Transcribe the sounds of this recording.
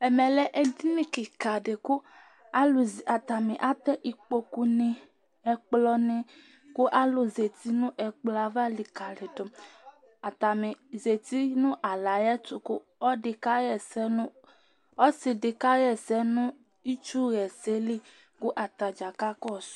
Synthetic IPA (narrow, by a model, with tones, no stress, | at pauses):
ɛ˨mɛ˨lɛ˦ʔɛ˦d̪i˦nĩ˨kɪ˨ka˨ɖe˨kʊ˦ | a˦la˨t̪a˨me˨ʔa˦t̪ɛ˦ʔi˨k͡po˦ku˦ne˦ | ɛ˨k͡plɔ˦ne˦ | kʊ˦ʔa˦lʊ˨ze˨t̪i˦nũ˦ʔɛ˨k͡pla˨va˦li˨ka˨le˨do˨ | a˨ta˨mɪ˨ze˨t̪i˦nũ˦ʔa˨la˨jɛ˦t̪ʊ˨kʊ˦ | ɔ˦ɖɪ˨ka˦ɣɛ˨sɛ˦n˦ | ɔ˦sɪ˨ɖɪ˨ka˦ɣɛ˨sɛ˦nʊ̃˦ | i˦t͡ʃu˦ɣɛ˨se˦li˦ | kʊ˦ʔa˨t̪a˨d͡ʒa˨ka˦kɔ˦s